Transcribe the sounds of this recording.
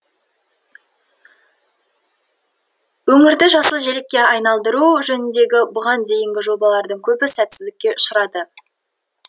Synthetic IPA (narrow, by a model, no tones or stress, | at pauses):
wɵŋɪɾd̪ɪʒɑsəlˠʒe̞lekʲːe̞ɑjnɑlˠd̪əɾuʒɵnɪnd̪e̞ɡʲɪbʊʁɑnd̪e̞jɪŋɡʲɪʒo̞bɑlˠɑɾd̪əɴkʲʰɵbɪsæt̪sɪzd̪ɪkʲːe̞ʊ̥ʃəɾɑd̪ə